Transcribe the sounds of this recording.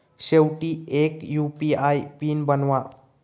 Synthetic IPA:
sewʈiekjupiajpinbənwa

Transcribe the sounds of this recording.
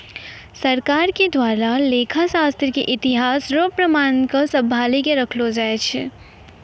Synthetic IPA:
sɐɾkaːɾked̪waːɾaleːkʰasaːst̪ɾkḛʔɪt̪ɪɦaːsɾoːpɾɐmaːnkosɐbʱaːlikeɾɐkʰlod͡ʒaːet͡ʃʰe

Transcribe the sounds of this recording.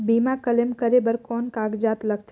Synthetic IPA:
bimãkəlemkəɾebəɾkɔnkaɡd͡ʒat̪ləkʰt̪ʰ

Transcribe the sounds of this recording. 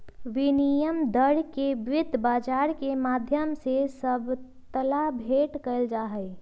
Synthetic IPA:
ʋɪnijəmd̪əɽkeʋɪɪd̪ʱbaːd͡ʒaːɾkemaːd̪ʱjəmsesəb | t̪əlabʱeːʈkəɪld͡ʒaːɦəɪ

